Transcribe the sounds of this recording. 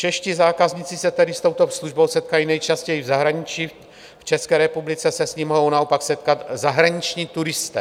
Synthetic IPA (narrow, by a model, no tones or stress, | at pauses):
t͡ʃɛʃcizaːkazɲit͡sɪsɛt̪ɛdɪst̪o̞wt̪o̞sluʒbo̞wsɛt̪̚kajinɛjt͡ʃascɛjivzaɦɾaɲɪt͡ʃiː | ft͡ʃɛskɛːɾɛpublɪt͡sɛsɛsɲimoɦownaopaksɛt̪̚kat̪zaɦɾaɲɪt͡ʃɲiːt̪uɾɪst̪ɛː